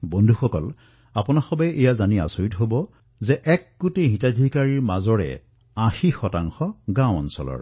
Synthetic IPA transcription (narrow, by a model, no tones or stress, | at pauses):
bondʱuxɔkɔl | apʊnaxɔbɛʔejazania̰soitɦobɔ | zɛʔɛk̚ɡoteɦĩtadʱikaɹiɹmazɔɹɛ̰ | ãxixɔtaŋxɔɡãwɔ̰nsɔ̰lɔ̰ɹ